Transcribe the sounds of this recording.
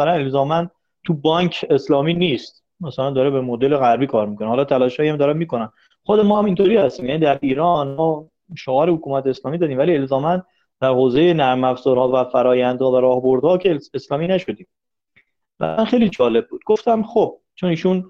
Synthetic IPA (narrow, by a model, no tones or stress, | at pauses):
sælæne̞lzɒːmæn | t̪ʰubɒŋkʰe̞slɒːmiːniːst̪ | mæsælænd̪ɒːɾebe̞mod̪eleɣæɾbiːkʰɒːɾmikʰo̞nehːlɒːt̪ʰælɒːʃhɒːjæmd̪ɒːɾænmiːkonæn | χod̪emɒːhæmint̪ʰoɾiːhæst̪iːmjænid̪æɾʔiːɾɒːnmɒː | ʃoɒːɾehokuːmæt̪ʰeːslɒːmiːd̪ɒːd̪iːmvælie̞lzɒːmæn | d̪̥æɾhoːzejenæɾmæfzɒɾhɒːvæfæɾɒːjænd̪hɒːvæɾɒːhbo̞ɾd̪hɒːcʰeeslɒːminæʃo̞d̪iːm | væ̰ænxe̞jlid͡ʒɒːle̞b̚ːuːd̪̥̚ɡoft̪æmχob̥̚ | t͡ʃʰoniːʃun